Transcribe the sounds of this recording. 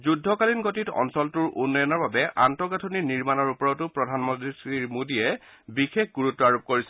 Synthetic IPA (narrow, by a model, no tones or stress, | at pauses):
zudʱːɔkalinɡotitɔ̰nsɔltuɹʔṵnːɔjɔnɔɹbabɛʔantɔɡatʰoniniɹmanɔɹupɔɹɔtʊpɹɔdʱanmɔdisiɹmodijɛ | bixek̚ɡuɹutːɔaɹop̚koɹisɛ